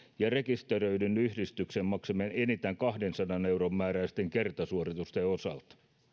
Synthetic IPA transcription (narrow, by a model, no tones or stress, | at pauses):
jɑrekist̪erøydynyhdist̪yksemmɑksemenenit̪æŋkɑhdensɑnɑneuromːæːræist̪eŋkert̪ɑsuorit̪ust̪eosɑ̰lt̪